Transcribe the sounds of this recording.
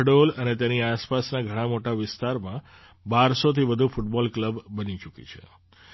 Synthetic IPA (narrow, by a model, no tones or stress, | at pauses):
ɽolənet̪janiaspasnaɡʱəɽ̃ãmoʈaʋɪst̪aɾmã | baɾsot̪ʰiʋəd̪ʱufuʈbɔlkləbːənit͡ʃukḭt͡ʃʰḛ